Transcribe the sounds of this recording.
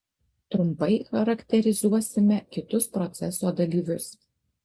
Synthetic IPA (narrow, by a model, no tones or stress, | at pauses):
t̪ɾʊmpɐɪxɐɾɐkʲt̪ʲɛɾʲɪzuɔsʲɪmʲɛkʲɪt̪ʊspɾɔt̪sʲɛsoːd̪ɐlʲiːʋʲʊs